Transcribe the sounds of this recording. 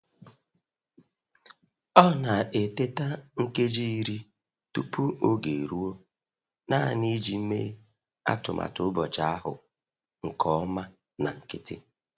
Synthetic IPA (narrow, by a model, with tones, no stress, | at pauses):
ɔ˦na˨e˨te˦ta˦ŋ̩˦ke˦d͡ʒi˦i˦ɾi˦ | tu˦pu˦o˦ɡe˨ɾu˦o˦ | na˦˨ni˦d͡ʒi˨m̩˦mḛ˦ | a̰˦tʊ˨mʔa̰˨tʊ˨ʊ˦bɔ˨t͡ʃa˦a˦ɦʊ̰˨ | ŋ̩˨kʰɔ˦ma˦ | na˨ŋ̩˨kɪ˦tɪ̰˦